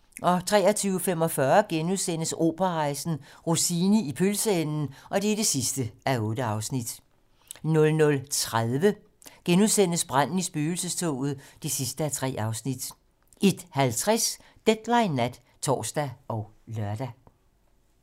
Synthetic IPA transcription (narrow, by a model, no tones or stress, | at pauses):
ʔɒ̽t͡sʰʁɛ̰ːɐ̽t͡sʰyːʊfem̰ɒ̽fɶɐɡ̥enuðˠsen̰əso̝̰ːb̥ɐʁɑ̈ɪsn̩ʁusiːnəipʰølsəenn̩ʔɒ̽d̥e̝æɾ̥e̝sisd̥əʔæɔ̽ːd̥əɑ̈ʊsnid̥ | nɔ̽lnɔ̽lt͡sʰʁaðˠʋə | ɡ̥enuðˠsen̰əsb̥ʁan̰n̩isb̥yːl̩səst͡sʰo̰ːð̞̩ˠd̥esisd̥əæt͡sʰʁɛ̰ːʔɑ̈ʊsnid̥ | e̝d̥hælt͡sʰʁɛs | d̥ed̥lɑ̈ɪnːæd̥ | t͡sʰɒ̰ːsd̥æɒʊlɶɐd̥æ